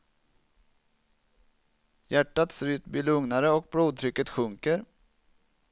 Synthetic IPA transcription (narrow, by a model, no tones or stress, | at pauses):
jæʈːat̪sɾʉːt̪biːlɵŋnaɾəɔk̚bɽuːd̪̚t̪ʰɾʏkːət̪ɧɵŋkəɾ